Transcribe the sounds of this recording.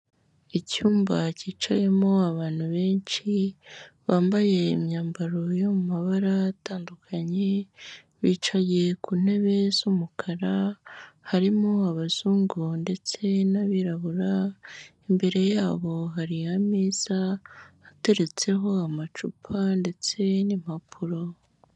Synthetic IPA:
icuːmbaciːt͡ʃaje̞mo̞aβaːn̥huβe̞ːnt͡ʃi | βaːmbaje̞ḭmɲaːmbaɾo̞jo̞mumaβaɾaːtaːndukʰaɲe̞ | βiːt͡ʃaje̞kuːn̥e̞βe̞z̥umukʰaɾahaɾimoaβaz̥uːŋɡonde̞t͡se̞naβiɾaβuɾaimbe̞ɾe̞jaːβo̞ɦaɾiamiːzaate̞ɾe̞t͡se̞ɦo̞amat͡ʃupʰande̞t͡se̞nim̥hapʰuɾo̞

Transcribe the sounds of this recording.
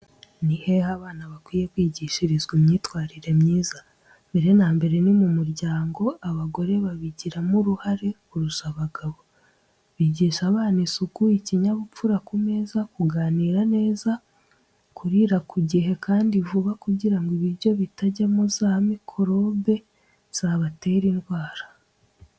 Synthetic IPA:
nihe̞ːhaβaːnaβakwiːje̞kwiːɟiːʃiɾizɡumɲiːtwaːɾiɾe̞mɲiːza | mbe̞ɾe̞naːmbe̞ɾe̞nimumuɾɟaːŋɡo̞ʔaβaɡo̞ɾe̞βaβiɟiɾamuɾuhaɾe̞kuɾusaβaɡaβo̞ | βiːɟiːʃaβaːnisukuiciɲaβufuɾakume̞ːzakuɡaːniːɾane̞ːza | kuɾiɾakuɟiɦe̞kʰaːndivuβakuɟiɾaŋɡoiβiɾɟo̞βitaɟamozaːhamikʰo̞ɾo̞be̞ | z̥aːβate̞ːɾindwaːɾḁ

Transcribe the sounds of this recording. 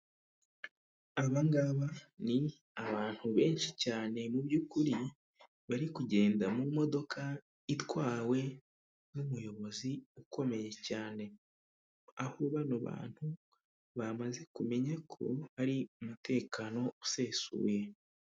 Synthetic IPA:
aβaŋɡaβani | aβaːn̥huβe̞ːnʃicaːne̞mubjuːkuɾi | βaɾikuɟe̞ːndamumo̞do̞kʰa | itwaːwe̞ | zumujo̞βo̞ziuko̞me̞je̞caːne̞ | ahuβanuβa̰ːn̥hu | βamaze̞kume̞ɲakʰo̞̰βaɾiumute̞ːkano̞use̞ːsṵːje̞

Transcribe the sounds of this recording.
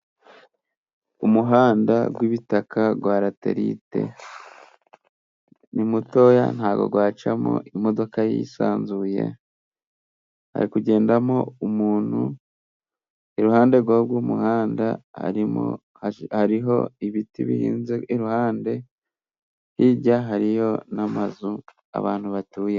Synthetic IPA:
umuɦaːndaɡwiβitakʰaɡwaːɾate̞̰ɾḭte̞̰ | nimuto̞ːja̰n̥haːɡo̞̰ɡwaːt͡ʃamo̰ʔimo̞do̞kajḭsaːnzuje̞̰ | ha̰ɾikuɟe̞ːndamo̞umuːn̥hu | eɾuhaːnde̞ɾɡwaɾɡwuːmuhaːndaha̰ɾimo̰ | haɾiɦo̞̰iβitiβḭhḭːnzeiɾuhaːnde̞ | hiɟaɦaɾijo̞namazu | a̰βa̰ːnhuβatuːje̞

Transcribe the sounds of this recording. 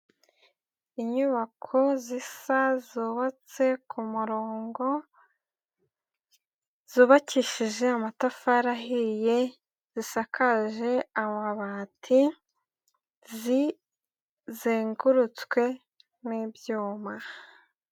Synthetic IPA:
iɲuβakʰozisazuβat͡se̞kʰumuɾo̞ːŋɡo̞ | z̥uːβaciʃiʒe̞amatafaɾaɦije̞ | z̥isakʰaʒe̞amaβaːtʰi | zi | zeːŋɡuɾut͡skwe̞ | nibjuːma

